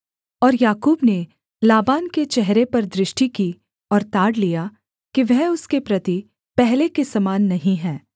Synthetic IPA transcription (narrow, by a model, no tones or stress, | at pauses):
ɔːɾjaːkuːbne | laːbaːnket͡ʃɛɦɾepɐɾd̪ɾɪʃʈiki | ɔːɾt̪aːɽlija | kiʋɛɦʊskepɾɐt̪i | pɛɦlekesɐmaːnːɐɦĩɦɛ̃ː